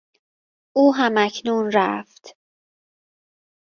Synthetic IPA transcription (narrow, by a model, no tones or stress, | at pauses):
ʔuːɦæmæcʰnuːnɾæft̪